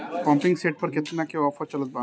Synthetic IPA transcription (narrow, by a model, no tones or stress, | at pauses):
pɔ̃mpɪ̃ŋɡseːʈ̚pɐɾket̪nakeɔːfʰət͡ʃɐlət̪̚ba